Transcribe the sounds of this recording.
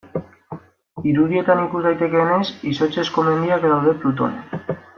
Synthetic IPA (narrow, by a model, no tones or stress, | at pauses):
iɾuðie̞t̪anikuzðajt̪e̞ke̞ːne̞siso̞t͡ʃe̞sko̞me̞nd̪iakeðawðe̞plut̪o̞̰ne